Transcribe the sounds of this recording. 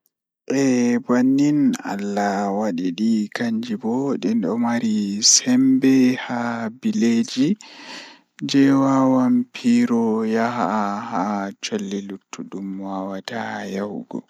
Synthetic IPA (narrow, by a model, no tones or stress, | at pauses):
ʔɛbanːina̰lːawaɗiɗikaɲd͡ʒibɔɗɛnɗɔmaɾisɛmbɛhabiled͡ʒi | d͡ʒɛwawampʰiɾɔjaɦahat͡ʃolːilutʰːuɗumwawatajawɡɔ̰